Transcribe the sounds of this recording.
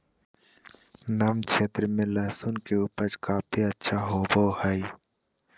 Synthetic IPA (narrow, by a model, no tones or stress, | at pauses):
namkʃʰeːt̪ɾəmẽlaːsunkeuːpəɾd͡ʒkaːpʰiɐtːʃʰaɦoːboːhai